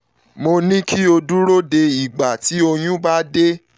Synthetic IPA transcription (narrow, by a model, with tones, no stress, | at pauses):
mo˧nĩ˦kʰi˦o˧du˦ɾo˦de˧i˨ɡ͡ba˨ti˨˦o˧j̃ũ˦ba˦de˦